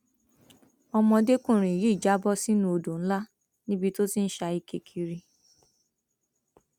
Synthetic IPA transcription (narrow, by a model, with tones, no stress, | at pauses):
ɔ˧mɔ̃˧de˦kũ˦˨ɾ̃ĩ˨ji˨˦˨d͡ʒa˦bɔ˦si˦nũ˦o˧do˨n̩˦la˦ | nĩ˦bi˧to˦si˦n̩˦ʃa˧i˧ke˨kʰi˧ɾi˧